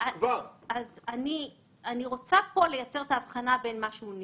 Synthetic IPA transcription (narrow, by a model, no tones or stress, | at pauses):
akvaʁazani | aniʁo̞t͡sapo̞lejat͡se̞ʁet̪aːvχanabe̞nmaʃeun